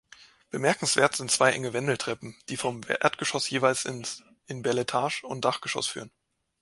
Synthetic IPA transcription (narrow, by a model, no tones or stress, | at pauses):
b̥əmɛɐkŋ̩sv̥eːɐtz̥ɪntt͡sv̥aɪʔɛ̰ŋəvɛndl̩tʁ̥ɛpm̩d̥iːfɔmʔḛɐtɡ̥əʃɔsjeːvaɪls | ʔɪnbɛɐletʰaːʃʊntd̥aχɡ̥əʃɔ̰sfy̰ːʁən